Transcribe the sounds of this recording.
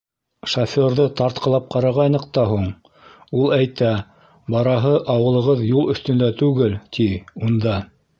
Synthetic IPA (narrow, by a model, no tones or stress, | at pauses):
ʃofʲoɾðɤt̪ɑɾt̪̚qɤ̆lˠɑp̚qɑɾɑʁɑjnɤqt̪ɑɦuɴ | ulˠæjt̪æ | bɑɾɑɦɤʔɑwɤ̆lˠɤ̆ʁɤðjulˠɵ̆θt̪ɵ̆nd̪æt̪ʉɡɘlt̪ʰiund̪ɑ